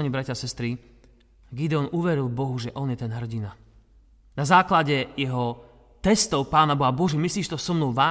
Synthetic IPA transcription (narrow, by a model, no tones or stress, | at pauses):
ɲibɾacaːsɛst̪ɾi | ɡid̪ɛɔnuʋɛɾilˠbɔɦuʒɛʔɔnjɛt̪ɛnɦr̩ɟina | nazaːklaɟɛjɛɦɔ | t̪ɛst̪ɔʊpaːnabɔɦabɔʒɛmisliːʃt̪ɔsɔmnuʋaː